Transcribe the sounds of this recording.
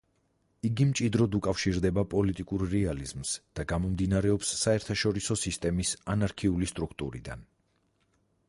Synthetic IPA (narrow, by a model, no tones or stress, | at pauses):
iɡimt͡ʃʼid̪ɾɔd̪ukʼafʃiɾd̪ɛbapʼɔlit̪ʼikʼuɾːɛalizmsd̪̥aɡamɔmd̪inaɾɛɔpsːaɛɾt̪ʰaʃɔɾisɔsist̪ʼɛmisanaɾkʰiulist̪ʼɾukʰt̪ʼṵɾḭd̪a̰n